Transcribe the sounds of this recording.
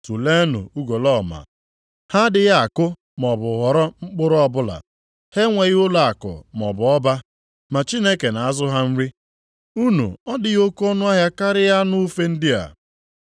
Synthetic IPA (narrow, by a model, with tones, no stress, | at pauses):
tu˨le˦nʊ̰˨u˦ɡo˨lɔ˦˨ma̰˨ | ha˦dɪ˨ja˦a˨kʊ˦ | mɔ˨bʊ˨ɦɔ˨ɾɔ˦ŋ͡m̩˦k͡pʊ˦ɾɔ˦ɔ˦bʊ˦la̰˨ | he˦ŋʷe˨ɣɪ˦ʊ˦la˨a˨kʊ̰˨mɔ˨bʊ˨ɔ˦ba˦ | ma˨t͡ʃi˦ne˦ke˨na˨a˦zʊ˦ɦa˦n̩˦ɾɪ˦ | u˦nṵ˨ɔ˦dɪ˨ɣo˦kɔ˦nʊ˦a˦ɦja˦ka˦ɾɪ˦ja˦nʊ˦fe˦n̩˦dɪ˦a̰˨